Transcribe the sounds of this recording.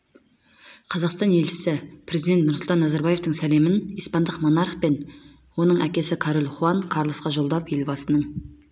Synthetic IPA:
qʰɑzɑqst̪ɑne̞lʃɪ̥sɪpɾe̞zid̪et̪̚nʊɾsʊlˠt̪ɑnːæzɑɾbɑaje̞ft̪əɴsæle̞mɪnijspɑnd̪əqmo̞nɑɾχpe̞n | wo̞nəɴʔækʲe̞sɪkʰɑɾolˠχuɑnkʰɑɾlˠosqɑʒo̞lˠd̪ɑpje̞lbɑsənəɴ

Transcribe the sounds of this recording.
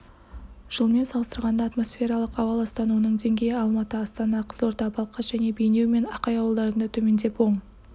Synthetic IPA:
ʒ̥əlˠme̞nsɑlˠəst̪əɾʁɑnd̪ɑːt̪mo̞sfʲe̞ɾɑlˠəqɑwɑlˠɑst̪ɑnuwənəɴd̪e̞ŋɡʲe̞jɪɑlˠmɑt̪əɑst̪ɑnɑqʰə̥zəlˠoɾt̪ɑbɑlˠqɑʒ̥æne̞bejne̞wme̞nɑqɑjɑwəlˠd̪ɑɾənd̪ɑt̪ʰɵme̞nd̪e̞pwo̞ɴ

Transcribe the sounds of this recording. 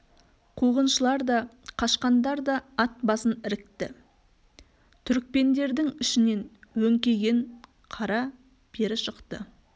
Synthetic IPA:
qʰuʁənʃəlˠɑɾd̪ɑqʰɑʃqɑnd̪ɑɾd̪ɑɑt̪̚bɑsənɪɾɪk̚t̪ɪ̰ | t̪ʰʏɾɪk̚pe̞nd̪e̞ɾd̪ɪŋʏʃɪne̞nwɵŋkʲe̞ɡʲe̞ɴ | qʰɑɾɑ | bʰe̞ɾɪʃəqt̪ə̰

